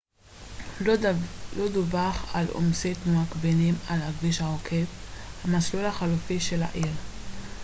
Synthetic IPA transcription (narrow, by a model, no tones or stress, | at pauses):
lod̪ubaχalo̰msit̪nuakbenimalhaɡviʃaʁokʰevhamaslulhaχalufiʃela̰ʔil